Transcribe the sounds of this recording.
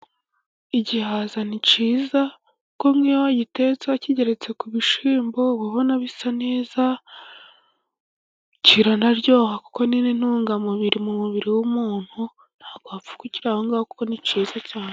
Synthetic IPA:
iɟihazanit͡ʃiːza | kuko̞mŋiwaɟite̞t͡saciɟe̞ɾe̞t͡se̞kuβiʃiːmbo̞βaβonaβisane̞ːza | ciɾanaɾɟo̞ːhaku̥ko̞ninin̥uːŋɡamuβiɾimumuβiɾiwumuːn̥hu | n̥haːɡoafu̥kuciɾaːhoŋɡaːhokuko̞nit͡ʃiːzacaːne

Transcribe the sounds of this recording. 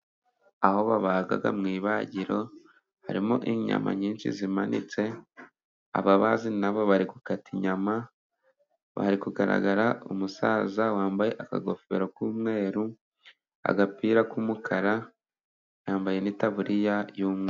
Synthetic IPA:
aho̞βaβaːɡa̰ɡa̰mŋiːβaɟiɾo̞ | ha̰ɾimoʔiɲa̰ma̰ɲiːnʃḭzimanḭt͡se̞ | a̰βaβazinaβo̞βaɾikukatiɲama | βa̰haɾikuɡaɾa̰ɡaɾaʔumusaːzawaːmbaje̞ʔaka̰ɡo̞fe̞̰ɾokuːmŋe̞ːɾu | a̰ɡapiːɾakumukʰaɾa | jaːmbaje̞nitaβuɾijajuːmŋe

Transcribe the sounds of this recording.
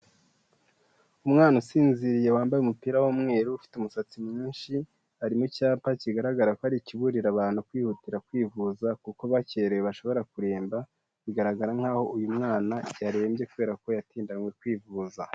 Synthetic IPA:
umŋaːnusiːnziɾije̞waːmbajumupiːɾawomŋe̞ːɾuufi̥tumusat͡simɲiːnʃi | aɾimucaːmpaciɡaɾaɡaɾakohaɾiciβuɾiɾaβaːn̥hukwiːhutiɾakwiːvuzakuko̞βaceɾeweβaʃo̞βo̞ɾakuɾe̞ːmba | βiɡaɾaɡaɾaŋ̥aːho̞ujumŋaːnaɟaɾewembje̞kuβe̞ːɾako̞jatiːndanwekwiːvuza

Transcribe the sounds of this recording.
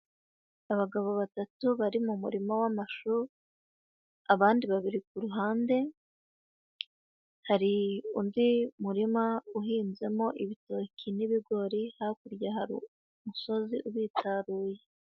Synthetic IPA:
aβaɡaβo̞βatatuβaɾimumuɾimawamaʃu | aβaːndiβaβiɾik̚uɾuɦaːnde̞ | haɾiṵndimuɾimauɦiːnze̞mo̞ʔiβitoːkʰiniβiɡo̞ɾihakuɾjahaɾḭ | muso̞ziʔuβiːtaɾuːje̞

